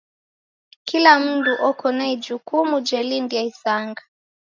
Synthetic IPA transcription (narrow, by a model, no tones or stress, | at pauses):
kilam̩duʔɔkɔnaid͡ʒukumud͡ʒɛlindiaisaŋɡa